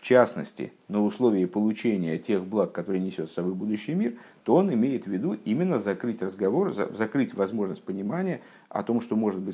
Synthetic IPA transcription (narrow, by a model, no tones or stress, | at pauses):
ft͡ɕasnə̰sʲtʲɪ̰ | nəʊslˠo̞vʲɪːɪpəlˠʊt͡ɕenʲɪjətʲe̞xblˠakːɐt̪o̞ɾɨjənʲɪsʲo̞t̪sɐbo̞jbud̪ʊɕːɪjmʲir | t̪o̞o̞nɪmʲejɪt̪vʲɪd̪uʔimʲɪnːəzɐkɾɨtʲrəzɡɐvo̞rzɐ̰zɐkɾɨtʲvɐzmo̞ʐnəsʲt̚ʲpənʲɪmanʲɪjə | ɐ̰t̪o̞mʂt̪o̞mo̞ʐɨt̪̚bɨ